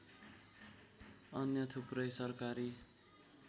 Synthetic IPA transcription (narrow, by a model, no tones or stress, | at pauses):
ʌnjʌt̪ʰuprʌjsʌrkaɾi